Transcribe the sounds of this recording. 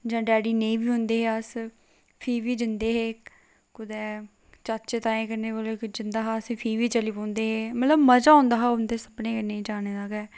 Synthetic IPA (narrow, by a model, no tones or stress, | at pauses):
d͡ʒãːɖɛːɖiːneĩːbiːɦʊ̃nd̪eːɦeəs | pʰiːʋiːd͡ʒɪnd̪eːɦeː | kʊd̪ɛː | t͡ʃat͡ʃet̪aːẽːkəɾneːkolokd͡ʒɪnd̪aːɦaːsẽːpʰiːʋiːt͡ʃəliːpõːnd̪eːɦeːmət̪ləbməd͡ʒaːʊ̃ːnd̪aːɦaːʊnd̪eːsəbneːkəneːĩːd͡ʒaːneːdaɡɛː